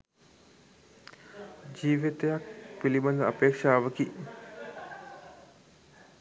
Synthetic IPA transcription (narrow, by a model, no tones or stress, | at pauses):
d͡ʒiːʋit̪ejak̚pilibɐnd̪ɐɐpeːkʂaːʋəki